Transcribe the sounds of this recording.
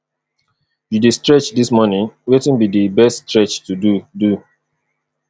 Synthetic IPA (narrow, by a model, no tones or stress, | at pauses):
judistɹɛt͡ʃdismɔnĩnwetĩnbidibɛststɹɛt͡ʃtududu